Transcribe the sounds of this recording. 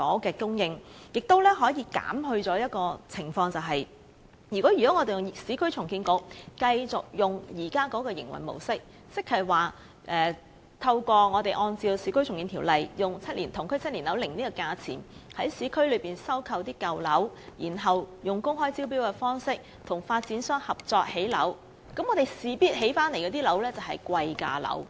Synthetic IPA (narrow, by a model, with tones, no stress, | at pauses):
kɔː˨˥kɛː˧kʊ˥ŋjɪ˧ŋjɪ˨k̚t̪o˥wlɛː˥ɦɔː˨˥jiː˨˧ka̰ː˨˥mɦɵ˧ɥt͡sɔː˨˥jɐ˥t̚kɔː˧t͡sʰɪ˨˩ŋfɔː˧ŋt͡sɐ˨wɦɐ˨j | jy˨˩kɔː˨˥jy˨˩kɔː˨˥ŋɔː˨˧t̪e˨jʊ˨˩ŋsiː˨˥kʰɵ˥ɥt͡sʰʊ˨˩ŋkiː˧nko˨˥wkɐ˧jt͡sʊ˨k̚jʊ˨ŋjiː˨˩kaː˥kɔː˨˥kɔː˧jɪ̰˨˩ŋwɐ̰˨˩jmo̰˨˩wsɪ˥k̚ | sɪ˥k̚hɐ˨˩waː˨ | ʔɛː˨ | t̪ʰɐ˧wkɔː˧ŋɔː˨˧t̪e˨jʔɔː˧nt͡siː˧wsiː˨˥kʰɵ˥ɥt͡ʃʰʊ˨ŋkiː˧nt̪ʰiː˨˩wlɐ˨jjʊ˨˩ŋt͡sʰɐ˥t̚liː˨˩nt̪ʰʊ˨˩ŋkʰɵ˥ɥt͡sʰɐ˥liː˨˩nlɐ˨˥wlɪ˨˩ŋniː˥kɔ˧kaː˧t͡sʰḭː˨˩nhɐ˨˥jsiː˨˥kʰɵ˥ɥlɵ˨˧ɥpiː˨˩nsɐ˥wkʰɐ˧wt̪iː˥kɐ˨wlɐ˨˥wjiː˨˩nɦɐ˨wjʊ˨˩ŋkʊ˥ŋɦɔː˥jt͡siː˥wp̬iː˥wkɛː˧fɔː˥ŋsɪ˥k̚ | t̪ʰʊ˨˩ŋfaː˧t̚t͡siː˨˥nsœː˥ŋhɐ˨p̚t͡sɔː˧k̚he˨˥jlɐ̰˨˥w | kɐ˨˥mːŋɔː˨˧t̪e˨jsiː˨˧piː˥t̚he˨˥jfaː˥nle˨˩jkɛː˧t̪iː˥lɐ˨˥wlɛː˥t͡sɐ˨˩wɦɐ̰˨jkʷɐ˧jka̰ː˧lɐ̰˨˥w